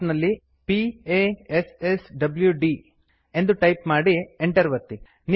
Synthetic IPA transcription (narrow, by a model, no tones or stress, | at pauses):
nɐlːi | pieːesesɖɐbljuɖi | e̞nd̪uʈɐjpmaːɽieɳʈɐɾʋɐt̪ːi | ni